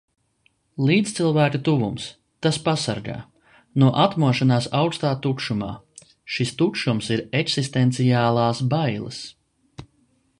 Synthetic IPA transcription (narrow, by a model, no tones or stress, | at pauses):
lˠiːt̪st̪silˠvæːkut̪uvums | t̪aspasa̰ɾɡa̰ː | nuɔʔat̪muɔʃanaːsawkst̪aːt̪ukʃuma̰ː | ʃist̪ukʃumsiɾeksist̪ent̪sijaːlˠaːsbajlˠə̰s